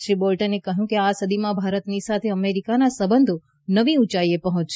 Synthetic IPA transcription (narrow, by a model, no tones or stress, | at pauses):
ʃɾibolʈənekəɦjũkeasəd̪imãbʱaɾət̪nisat̪ʰeəmeɾikanasəbənd̪ʱo | nəʋĩũt͡ʃaiepəɦɔ̃t͡ʃʃ